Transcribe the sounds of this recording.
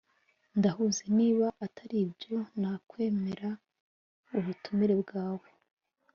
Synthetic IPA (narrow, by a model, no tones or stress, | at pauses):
ndahuze̞niːβaʔatʰaɾibɟo̞n̥haːkwe̞ːme̞ɾa | uβutumiɾe̞bɡaːwe